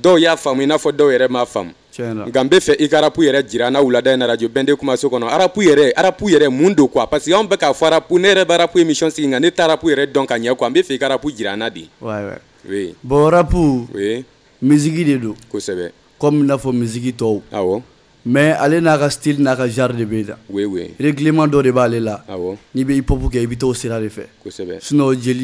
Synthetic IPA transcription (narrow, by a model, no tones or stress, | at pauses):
dɔujafamuinafɔdɔujɛɾɛmafã̰mu | t͡ʃɛ̃laŋ̩kam̩bɛfɛʔikaːɾapujɛɾɛd͡ʒiɾanawuladãjenaɾad͡ʒobɛ̃dekumasokɔnɔaɾapujɛɾɛʔaɾapujɛɾɛmũndõkapasekãbɛkafɔaɾapunejɛɾɛbaːɾapuemisiɔ̃seɡĩŋkanetaɾapujɛɾɛdɔ̃kaɲɛkoãm̩bɛfɛikaːɾapud͡ʒiɾa̰nadḛwajwɛ̰ | webɔaɾapuwe | mizikidedõkosɛbɛ̰ | kɔmĩnafɔmizikitɔoa̰wɔ | mɛa̰lenakasi̥tilinakaʒaɾdebenã̰wewḛɾekilemãdɔdebaːlelaa̰wɔnibɛipɔpukɛibit̬ɔuseɾadefɛ̰kosɛbɛ̰sunɔd͡ʒeli